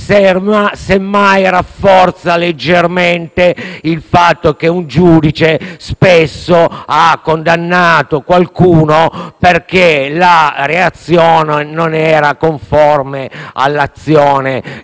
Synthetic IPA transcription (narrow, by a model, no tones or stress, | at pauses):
seasemːajrafːɔrt̪saled͡ʒːerment̪eilfat̪ːokeund͡ʒuːd̪it͡ʃespesːoakːond̪anːaːt̪okwalkuːnoperkelareat̪sːjɔːnenonɛːɾakoɱfɔrmea̰lːat̪sːjɔːne